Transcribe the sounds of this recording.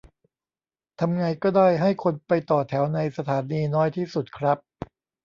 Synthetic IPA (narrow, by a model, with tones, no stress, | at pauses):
t̪ʰa˧mŋa˧jkɔː˥˩daː˥˩jɦa˥˩jkʰo˧npa˧jt̪ɔː˨˩t̪ʰɛː˩˦wna˧jsa˧t̪ʰaː˩˦niː˧nɔː˦˥jt̪ʰiː˥˩su˨˩t̪̚kʰɾa˦˥p̚